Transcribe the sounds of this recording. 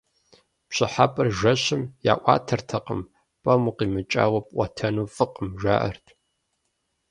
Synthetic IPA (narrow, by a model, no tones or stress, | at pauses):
pɕɪħapʼɨrʒʷɐɕɪmja̰ːʔʷɑ̰ːtʰɐrtʰɐqəm | pʼɐmuqiːmɨt͡ʃʼa̰ːwɐpʼʔʷɐtʰɐnuːfɨqəmʒʷa̰ːʔɐ̰rtʰ